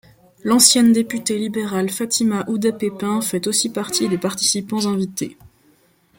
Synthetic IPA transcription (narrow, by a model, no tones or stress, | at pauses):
lɑ̃sjɛnd̪epyt̪elibeʁalfat̪imaʔud̪apepɛ̃fɛt̪osipaʁt̪id̪epaʁt̪i̥sipɑ̃zɛ̃vit̪ḛ